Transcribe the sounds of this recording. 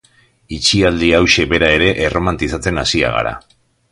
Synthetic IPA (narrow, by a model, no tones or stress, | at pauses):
it͡ʃiald̪iawʃe̞βe̞ɾae̞ɾe̞ʔerʔo̞mant̪isat͡se̞nasia̰ɣa̰ɾa̰